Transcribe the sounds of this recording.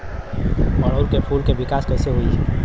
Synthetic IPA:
məɽ̃oːlkepʰuːlkeʋɪkaːskɛːseɦui

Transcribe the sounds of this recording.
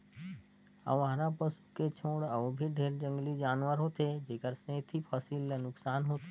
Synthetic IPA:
ə̰ʋaɦɾapəsu̥ket͡ʃʰõːɽəbʱiɖʱeːɾd͡ʒə̃ŋɡlid͡ʒaːnʋəɾɦoːt̪ed͡ʒeːkəɾsẽːt̪ʰipʰəsilnʊksaːnɦoːt̪

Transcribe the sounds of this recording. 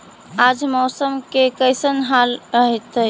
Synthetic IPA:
ad͡ʒmɔːsəmkekəjsənɦalɾəɦɛt̪ə

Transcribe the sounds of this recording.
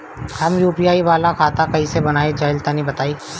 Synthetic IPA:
hɐmjuːpijaːiʋaːlakʰaːt̪akɐɦisebɐnaːed͡ʒɐɪlt̪anĩbɐt̪aːiː

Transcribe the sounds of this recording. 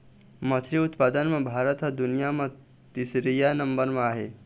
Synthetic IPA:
məsʰɾiut̪pad̪ənmãbʱaɾət̪ɦəd̪unijamã | t̪isɾijanəmbəɾmãaɦe

